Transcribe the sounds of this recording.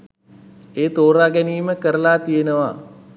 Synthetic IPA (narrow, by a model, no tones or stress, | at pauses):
eːt̪oːɾaːɡɛniːməkəɾəlaːt̪ijenəʋa